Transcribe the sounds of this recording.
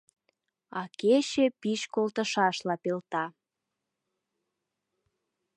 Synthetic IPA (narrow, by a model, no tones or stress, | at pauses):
ɑkeɕepiʃkolt̪ə̆ʃɑʃlɑpelt̪ɑ